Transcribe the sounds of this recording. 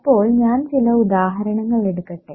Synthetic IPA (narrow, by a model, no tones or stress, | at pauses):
ɐpːo̞ːɭɲaːnt͡ɕilɐud̪aːɦɐɾɐɳɐŋːɐɭeɽukːɐʈːe